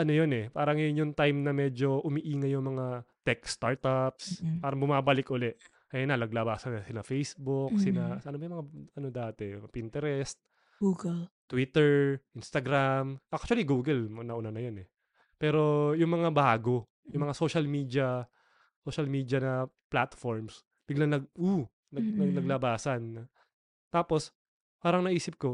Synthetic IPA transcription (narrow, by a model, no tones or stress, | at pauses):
ʔɐnojonɛpaːɾɐŋjjʊŋt̪ajmnɐmɛd͡ʒo̞ʔʊmɪʔiːŋɐjʊŋmɐŋat̪ɛkst̪aɹt̪apspaːɾɐŋbʊmaːbɐlɪkʔʊlɛʔ | ʔɛnɐlɐɡ̚labaːsɐnɐsɪnɐfejsbʊksɪnaɐnobɐjʊmɐŋaʔɐno̞d̪aːt̪ɛpɪnt̪ɛɾɛst̪̚ | ɡuɡlt̪wit̪ɛɹʔɪnst̪ɐɡɾamʔak̚t͡ʃʊɐliɡuːɡɛlmnɐʔʊnanɐjonɛ | pɛːɾo̞jʊŋmɐŋabɐaːɡo̞ | jʊŋmɐŋaso̞ːʃɐlmiːd̪jɐ | soʃɐlmiːd̪jɐnɐplat̪foɹms | b̥ɪɡlɐŋnɐɡ̚ʔu | nɐɡnɐɡlɐɡlɐbaːsɐn | t̪aːpo̞s | paːɾɐŋnɐʔiːsɪp̚ko̞